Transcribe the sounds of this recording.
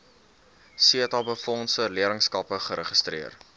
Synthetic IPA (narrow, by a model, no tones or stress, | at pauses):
siətɑbəfɔnsəliəɾəŋskɐpəχəɾəχəstriər